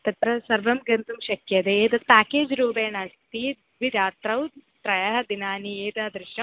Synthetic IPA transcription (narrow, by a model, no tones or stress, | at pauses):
t̪ɐt̪ɾɐsɐɾʋɐmɡɐnt̪umʃɐkjɐd̪eeːt̪ɐt̪̚paːkeːd͡ʒɾuːbeːnaːst̪i | ʋid̪aːt̪ɾɐwt̪ɾɐjɐɦɐd̪inaːnieːd̪ɐɦɐd̪ɾɪʃɐ